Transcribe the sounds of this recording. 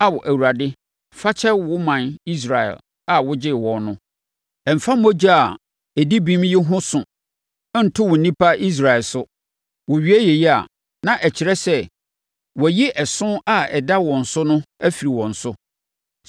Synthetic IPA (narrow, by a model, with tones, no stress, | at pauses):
a˨wɔ˨ʔæ˨wu˨ɾa˨dɪ˦ | fa˦t͡ɕʰɛ˦wʊ˦mã˨ni˦s̬ɾa˨ɛ̰˨l | a˨wʊ˦d͡ʑɪ˦˨wɔ̃˨nnʊ̃˦ | ɛ˨m̩˨fã˦mo˦d͡ʑa˦a˨ | e˨di˦bĩ˦mji˦ɦʊ̃˦sʊ̃˨˦ | n̩˨tʰʊ˦wʊ˨n̩˨nĩ˦pʰa˦i˦s̬ɾa˨ɛ˨lsʊ˦ | wʊ˨ɥi˨˦æ˦jɛ˨jɛ˦a̰˨ | nã˨ʔɛ˨t͡ɕʰɪ˨ɾɛ˦sɛ˦ | wɔ˨ji˦ʔɛ˨sʊ̃˦a˨ɛ̰˨da˦wɔ̃˨n̩˨sʊ˦nʊ̃˦æ˦fi˨ɾi˨wɔ̃˨n̩˨sʊ˦